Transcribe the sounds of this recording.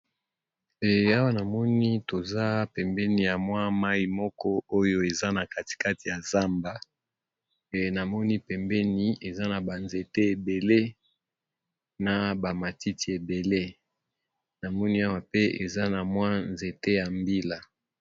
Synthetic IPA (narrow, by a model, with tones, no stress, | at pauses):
ɛ˨a˦wa˦na˨mɔ˦ni˦to˨za˦pɛ˨mbɛ˦ni˨ja˨mwa˦ma˦ji˦mɔ˦kɔ˦o˦jo˦e˨za˦na˨ka˦ti̥˨ka˦ti˨ja˨za˦mba˦˨ | na˨mɔ˦ni˦pɛ˨mbɛ˦ni˦e˨za˦na˨ba˨nze˨te˦e˨be˨le˦ | na˨ba˨ma˨ti˦ti˨e˨be˨le˦ | na˨mɔ˦ni˦a˦wa˨pe˦e˨za˦na˨mwa˦nze˨te˦ja˨mbi˦la˨